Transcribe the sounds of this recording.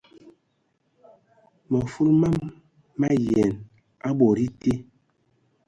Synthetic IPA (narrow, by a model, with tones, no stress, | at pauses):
mɔ˨fu˦lma˦mː | a˦jɛ˨n | a˦ɓɔ˨ɾi˦te˦